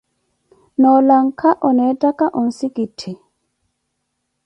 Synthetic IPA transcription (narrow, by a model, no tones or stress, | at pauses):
nɔlaŋkʰaʔɔnɛtakaʔɔnsikitʰːi